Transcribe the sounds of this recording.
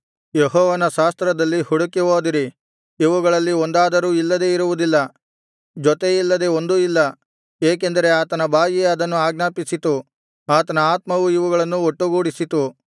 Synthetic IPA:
jeɦɔːʋɐnɐʃaːst̪ɾɐd̪ɐlːihuɽukiʋoːd̪iɾi | iʋuɡɐɭɐlːiond̪aːd̪ɐɾuːilːɐd̪e̞iɾuʋud̪ilːɐ | d͡ʒɔt̪e̞ilːɐd̪e̞ond̪uilːɐ | eːk̬end̪ɐɾe̞aːt̪ɐnɐbʱaːjiɐd̪ɐnːuaːɡnaːpisit̪u | aːt̪ɐnɐaːt̪mɐʋuiʋuɡɐɭɐnːuoʈːuɡuːɽisit̪u

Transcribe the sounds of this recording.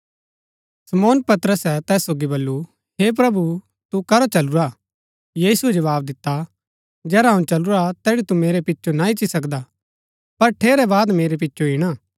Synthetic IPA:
sɐmɔːnpɐt̪ɾəsɛt̪ɛːsːoːɡibɐlːu | ɦep̬ɾɐbu | t̪ukɐɾot͡ʃɐluɾa | jiːsued͡ʒɐʋaːb̚d̪ɪt̪ːa | d͡ʒɛːɾaɦɐ̃ũt͡ʃɐluɾat̪ɛːɽit̪umeːɾepɪtːʃonaɪt͡ʃisɐkd̪a | pɐɾʈʰeːɾɛbaːd̪meːɾep̬ɪtːʃʰoiɽ̃aː

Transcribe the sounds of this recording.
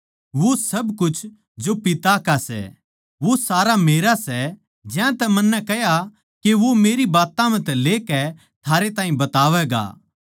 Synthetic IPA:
ʋosɐbkʊt͡ʃʰ | d͡ʒopɪt̪akasɛ̰ | ʋosaːɾameːɾasɛ | d͡ʒãt̪ɛmɐnːɛkɛja | keʋomeːɾibaːt̪ãmɛ̃t̪ɛleːkɛ | t̪ʰaːɾet̪ãːĩbɐt̪aːʋɛɡa̰ː

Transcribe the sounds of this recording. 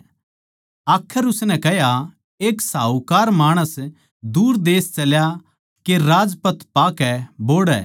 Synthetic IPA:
aːkʰːəɾʊsnɛ̃kɛɦja | eːksaːukaːɾmaːɽ̃əs | d̪uːɾd̪eːst͡ʃɐlja | keɾaːd͡ʒpət̪ʰpaːkɛboːɽɛ̰ː

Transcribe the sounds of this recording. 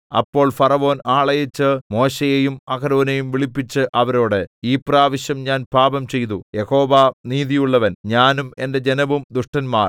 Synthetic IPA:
ɐ̰pːo̞ːɭfɐrɐʋo̞ːnaːɭɐjit͡ɕːɨmo̞ːɕejejumɐɣɐɾoːnejumʋiɭipːit͡ɕːɨʔɐʋɐɾo̞ːɽeiːpraːʋɐɕjɐmɲaːnpaːbɐmt͡ɕe̞jt̪uje̞ho̞ːʋaniːðijuɭːɐʋɐnɲaːnume̞nde̞d͡ʑenɐʋumd̪uʂʈɐnmaːr

